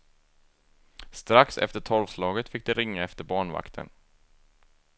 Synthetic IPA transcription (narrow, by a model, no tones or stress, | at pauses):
st̪ɾaksɛ̰ft̪əʈʰɔlvslɑːɡət̪fɪk̚ːd̪ɛɾɪŋːaɛft̪əɾbɑːɳva̰kt̪ʰə̰n